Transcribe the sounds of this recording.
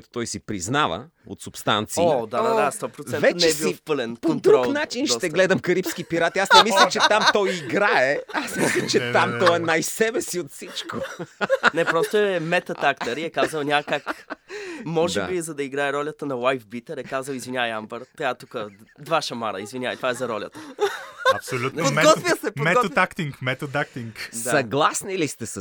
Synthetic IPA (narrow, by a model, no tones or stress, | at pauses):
t̪o̥t̪ɔjsipɾiznavə̰ | o̰t̪sʊpst̪a̰nt̪siod̪ad̪ad̪ast̪ɔpɾot̪sɛnvɛnt͡ʃ̪ɛbiifpəlɛnkpoot̪ɾuɔlkˠnat͡ʃinʃt̪ɛɡlɛd̪əmkɐɾipskipiɾat̪iasnɛmilʲət͡ʃɛtt̪amt̪ɔjiɡɾaɛasmislʲət͡ʃɛt̪amt̪ɔɛnajsɛbɛsiot̪fsit͡ʃko | nɛpɾɔst̪oɛmɛt̪ɐt̪akt̪əɾiɛkazəwˠnʲakak | mɔʒɛabizɐd̪ɐiɡɾaɛɾɔlʲət̪ənɐwajfbit̪əɾɛkazəlizvinʲavəjambəɾt̪jat̪ukəd̪vaʃɐma̰ɾɐ̰izvinʲavəjt̪ovaɛzɐɾɔlʲə̰t̪ə | ɐpsolʲut̪pod̪ɡɔt̪viəsɛpomɛɡɔakt̪iŋkmɛt̪ot̪ak̚t̪iŋkd̪sɐɡlˠasnilist̪ɛsə